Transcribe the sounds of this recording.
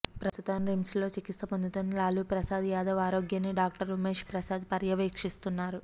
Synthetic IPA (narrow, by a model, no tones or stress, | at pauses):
pɾɐst̪ut̪ɐmɾimslo̞ːt͡ʃikist̪ɐpond̪ʱut̪onːilaːlupɾɐsaːd̪ijaːd̪ʱɐʋaːɾo̞ːɡjɐnːiɖaːk̚ʈɐɾumeːʂpɾɐsaːd̪pɐɾjɐʋeːkʂist̪unːaːɾu